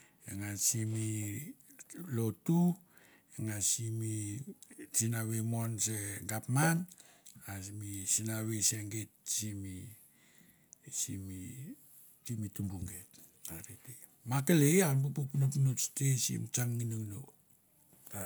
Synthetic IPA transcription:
eŋasimi | lotu | eŋasimi | t͡ʃinaβemonseɡapman | asimisinaβeseŋɡet̚simi | sḭmi | simitumbuŋɡet | aɾete | makelejanbupuknupnustesḭmt͡ʃaŋːinuŋno | ta

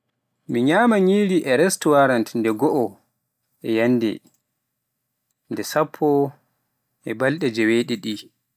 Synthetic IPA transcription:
miɲaːmaɲiːɾiʔɛɾɛstuwaɾantndɛɡɔʔɔ | ʔɛjanːdɛ̰ | ndɛsapʰːɔ | ʔɛbalɗɛd͡ʒɛweɗɛɗi

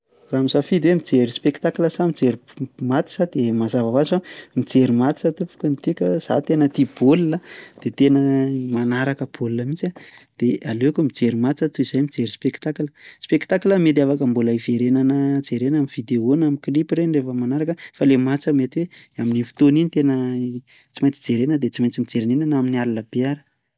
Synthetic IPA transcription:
ramisafid̪ewemid͡zeɾispekt̪akləsamid͡zeɾimat̪i̥sad̪̥emazavaazifamid͡zeɾimat̪isat̪upu̥kʲənit̪ikʲəz̥a̰t̪enət̪ib̥olunəd̪̥et̪enəmanaɾakəb̥oluləmit͡sad̪̥ealekumid͡zeɾimat͡sat̪uizajmid͡zeɾispekt̪akləspekt̪akləmet̪̬iafakəmbulaiveɾenanəd͡zeɾenamiv̥id̪eonamiklipreɳɖ͡ʐefəmanaɾakəfalemat͡səmet̪iwe | aminifi̥t̪oninit̪enə | t͡simajnt͡si̥d͡zeɾenəd̪et͡simajnt͡simid͡zeɾinenanaminialiləb̥eaɾə̥

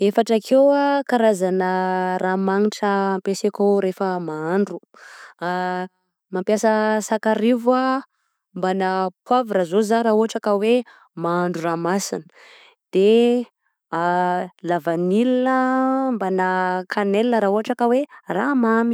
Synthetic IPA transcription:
efaʈ͡ʂakʰewakaɾazanəramaŋiʈ͡ʂəmpesekoɾefəmaaɳɖ͡ʐu | mampjasəsakaɾivwa | mbanapwavɾazozaɾaɦuɦaʈ͡ʂakəwe | maaɳɖ͡ʐuramasinə̥ | d̪̥e | lavanilinəmbanakʰanelnəɾauɦaʈ͡ʂakəweramami̥

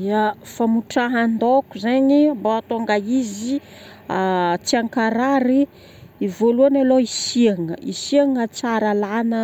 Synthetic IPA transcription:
d̪iafamuʈ͡ʂaɦand̪okuzaɲimboat̪oŋɡaizi | at͡siaŋkaɾaɾiː | voluanaloisiaŋəḭsiaŋət͡saɾalanə

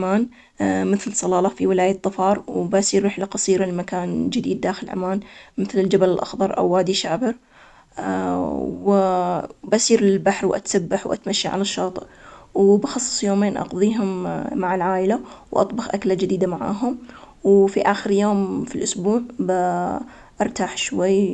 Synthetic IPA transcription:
maːn | mɪθlsˤɑlɑːlɑfiwɪlaːjɪt̪ˤːɨfɑːɾˤwbasiːɾːɪħlaqɑsˤiːɾalmakaːnd͡ʒɪd̪iːd̪ːaːxɪlʔa̰maːnmɪθlɪld͡ʒabalɪlʔɑ̰xðˤɑɾˤʔa̰wːaːd̪iʃaːbɪɾ | w | basiːɾɪlbaħɾwʔa̰t̪sabːaħwʔa̰t̪maʃːaʕa̰laʃːɑːt̪ˤʔwbɑxɑsˤːɨ̥sˤjoːmeːnʔɑ̰qðˤiːɦʊmːaʕalʕaːʔɪlawʔɑ̰t̪ˤbɑxʔaklad͡ʒɪd̪iːd̪amaʕa̰ːɦʊmwfiʔaːxɪɾjoːmfilʔʊsbuːʕb | ʔɑɾˤt̪aːħʃwajː

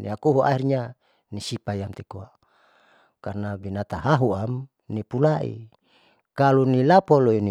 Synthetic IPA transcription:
nḭakuɦuʔa̰irɲa | nisipajamt̪ikoa | karnabinat̪aɦaɦuam | nipulaʔḭ | kalunilapoloini

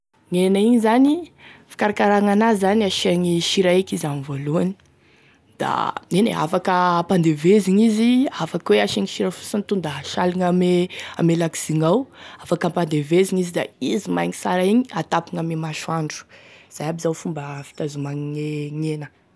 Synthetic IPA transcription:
ŋenaiɲizanifi̥kaɾakaɾaŋanazaniaʃeŋiʃiɾaekizamivoluani̥ | d̪̥a̰nenḛa̰fakəpand̪eveziŋiziafakweaʃeŋiʃiɾəfu̥sant̪und̪aɦaʃaliŋamea̰melaki̥siŋawafakampand̪eveziŋizid̪a̰izimajŋisaɾaeɲiat̪apiŋamemaʃuaɳɖ͡ʐu̥z̥ajabizawfumbəfi̥t̪azumaŋŋeŋenə

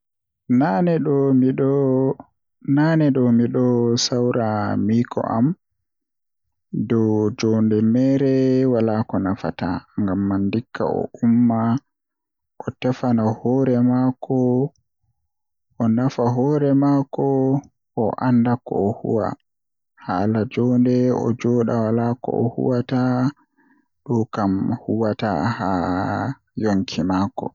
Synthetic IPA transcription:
nanɛɗ | naːnɛɗɔmiɗɔsawɾamiːkʰɔ̰ʔa̰m | dɔwd͡ʒɔːndɛmɛːɾɛwalaːkɔnafa̰ta̰ŋɡamːandikʰːa̰ɔ̰ʔumːa | ʔɔtɛfanahɔːɾɛmakʰɔ | ʔɔnafaɦɔːɾɛmaːkɔ | ɔʔandakɔ̰ɔhṵwa̰ | halad͡ʒɔndɛɔ̰d͡ʒɔːɗawalakɔ̰ɔ̰hṵwata | ɗɔkamhuwata̰ha | joŋkʰimaːkɔ̰

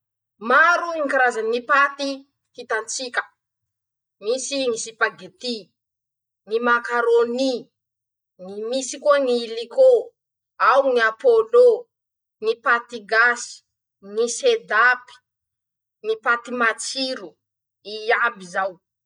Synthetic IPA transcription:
maɾuiŋkaɾazanipat̪i | hit̪ant͡sikʲə̥ | misinisipaɡet̪i | nimakaɾoni | nimisikoniliko | awniapolo | nipat̪iɡasi̥ | nised̪api̥ | nipat̪imat͡siɾu | iabizaw

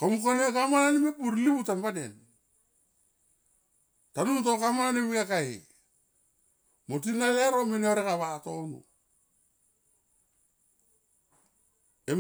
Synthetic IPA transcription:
komukanekamananemepuɾlibutambaden | tanuntokamaanemikakae | mot̬inaleɾomeneoɾekaβatonṵ | em

